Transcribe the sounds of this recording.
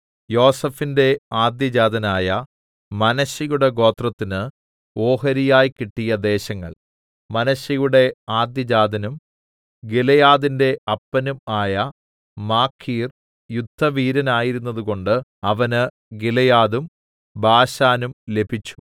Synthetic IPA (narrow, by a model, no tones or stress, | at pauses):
jo̞ːsɐfinde̞aːd̪jɐd͡ʑaːd̪ɐnaːjɐ | mɐnɐɕɐjuɽe̞ɡo̞ːt̪rɐt̪ːinɨ | o̞ːɦɐɾijaːjkiʈːijɐd̪e̞ːɕɐŋːɐ̰ɭ | mɐnɐɕɐjuɽe̞aːd̪jɐd͡ʑaːd̪ʱɐnum | ɡilɐjaːðinde̞ɐpːɐnumaːjɐ | maːkʰːiːr | jud̪ʱːɐʋiːɾɐnaːjiɾunːɐðuɣo̞ɳɖɨɐʋɐnɨ | ɡilɐjaːðum | bʱaːɕaːnumle̞bʱit͡ɕːu̥